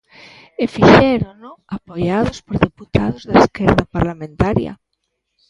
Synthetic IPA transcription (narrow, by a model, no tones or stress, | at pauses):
efiʃɛɾonoapojað̞ospoɾðeput̪aðozðaeskɛɾðapaɾlamẽnt̪aɾjɐ̰